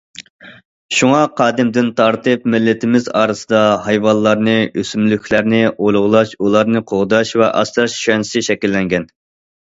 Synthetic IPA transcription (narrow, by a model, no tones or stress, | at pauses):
ʃuŋɑqʰɑːd̪ɪmd̪ɪnt̪ʰɑɾt̪ɨpmɪlːɪt̪ʰɪmɪzɑ̰ːɾɨsɨd̪ɑhɑjvɑnlˠɑɾnɨøsymlykʲʰlæɾnɪʔolˠʊʁlˠɑʃulˠɑɾnɨqʰoʁd̪ɑʃvɛʔɑ̰st̪ɑʃʃɛnsɪʃɛkʲilːɛŋɡʲɛn